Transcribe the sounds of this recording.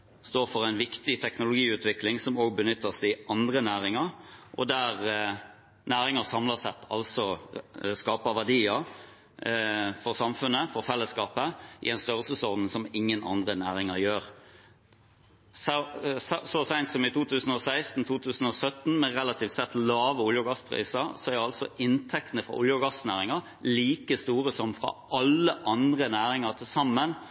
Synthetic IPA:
st̪oːɾfɔʁæɪnʋɪkt̪ɪt̪ʰɛknʊlʊɡiːʉːt̪ʰʋɪklɪŋsɔmoːɡ̚bənʏt̪ːəsæɪɑnd̪ʁənæːʁɪŋɑʁʔɔ̰d̪æʁ | næːɾɪŋəsɑmlɑsɛt̪ʰːɑ̰lsɔ | skɑːpəʋæʁd̪iːɑ | fɔʁsɑmfʉnːəfɔɾfɛlːəskɑːpəʔɪ̰ɛnst̪œʁəlsəsɔʁd̪n̩sɔmɪŋːənʔɑ̰nd̪ʁənæːʁɪŋəɾjøːʁ | s | sɔsæɪnt̪sɔmɪt̪uːt̪ʉːsən̩ɔsæɪst̪n̩t̪ʰuːt̪ʰʉːsn̩ɔsœt̪n̩mɛʁɛlɑt̪ʰiːft̪sɛt̪lɑːʋəʊljʊɡɑspʰʁḭːsəsɔæʁɑlt̪sɔ̰ʔɪnt̪ʰɛk̚t̪ənəfɾɑ̰ʔʊljʊɡɑsnæːʁɪŋɑʁ | liːkəst̪uːʁəsɔmfʁɑ̰ɑlːəʔɑnd̪ʁənæːʁɪŋəʁt̪ʰɪlsɑmːən

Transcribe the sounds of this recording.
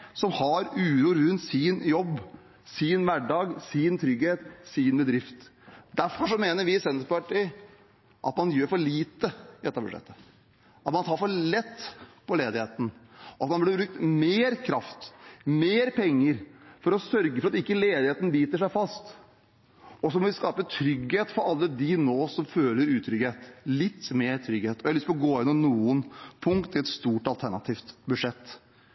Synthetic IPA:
sɔmhɑɾʉːɾuːɾʉnt̪sɪnjɔbː | sɪnʋæɖɑːɡsɪnt̪ʰɾʏɡheːt̪sɪnbəd̪ɾɪft̪d̪æɾfɔʂɔmeːnəɾʋɪsɛnspɑʈɪ | ʔɑ̰t̪mɑnjøːɾfɔɭiːt̪əd̪ɛt̪ːɑbʉ̰ʂɛ̰t̪ːə̥ | ɑt̪mɑnt̪ʰɑːɾfɔɭɛt̪ːpʰɔleːd̪ɪheːt̪ən̩ɑt̪mɑnblɪbɾʉk̚t̪meːɾkʰɾɑft̪meːɾpʰɛŋːəɾfɔɾɔsœɾɡəfɔɾɑt̪ɪkːəleːd̪ɪheːt̪ən̩liːt̪əʂæɪfɑst̪ | ɔsɔmɔʋɪskɑːpət̪ʰɾʏɡheːt̪fɔɾɑlːəd̪ɪnoːsɔmføːləɾʉːt̪ʰɾʏɡheːt̪lɪt̪ːmeːɾt̪ʰɾʏɡheːt̪ɔjæhlʏst̪plɔɡoːɪnːɔnuːənpʰʊŋkt̪ʰːɪlɛt̪st̪uːʈɑlt̪ʰæɳɑt̪ʰiːft̪bʉd̪ʂɛt̪ː

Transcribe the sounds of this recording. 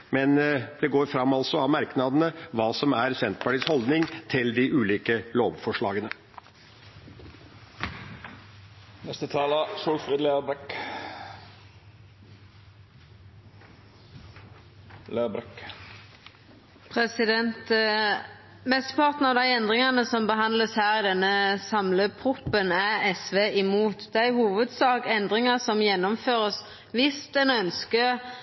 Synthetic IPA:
mɛnd̪̥ɛɡoːɾfɾɑmːɑlsɔɑʋmɑɾknɑd̪ənəʋɑːsɔmæɾsɛnt̪pɑʈiːshɔld̪nɪŋt̪ʰɪld̪ɪʔʉːliːkəloːʋfɔʂɭɑːɡənə | nɛst̪ət̪ʰɑːləʃuːfɾiːd̪lebɛk | leːbɾɛk | pʰʁɛsɪd̪ɛnt̪ | mɛst̪əpʰɑʁt̪n̩ɑʋd̪æɪɛnd̪ʁɪŋɑnəsɔmbəɦɑnd̪ləshæːʁɪd̪ɛnːəsɑmləpʰʁʊpːənæɛsʋeːʔɪmuːt̪d̪æɪhuːʋəd̪sɑːkɛnd̪ʁɪŋəsɔmjɛnːɔmføːʁəs | ʋɪst̪ɛnœnskə

